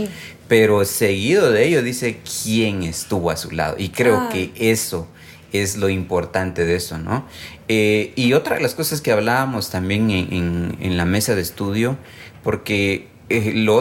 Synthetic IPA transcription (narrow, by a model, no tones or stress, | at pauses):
pe̞ɾo̞se̞ɣiðo̞ðeeʎo̞ðise̞kʰje̞ŋe̞st̪uβo̞asula̰ðo̰ʔikɾe̞oke̞e̞so̞ | e̞zlo̞impo̞ɾt̪ant̪e̞ðe̞so̞no̰ | eio̞t̪ɾaðelasko̞sasskeaβlaβamo̞st̪ambje̞ŋʔeŋḛnlame̞saðeːst̪uðjo̞ | po̞ɾke̞ | elo